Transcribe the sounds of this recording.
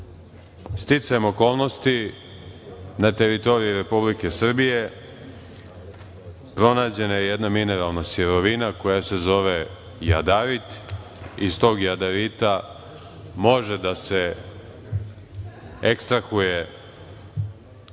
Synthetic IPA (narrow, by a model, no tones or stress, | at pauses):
st̪it̪sajemo̞ko̞ːlˠno̞st̪i | nat̪e̞ɾit̪o̞ɾiiɾe̞publikesr̩bije̞ | pɾo̞naːd͡ʑe̞najejed̪namine̞ɾalˠnasjeɾo̞ʋinako̞jase̞zo̞ʋe | ja̰d̪aɾit̪ | ist̪o̞ːɡjad̪aɾit̪a | mo̞ʒed̪ase | ekst̪ɾaxuje̞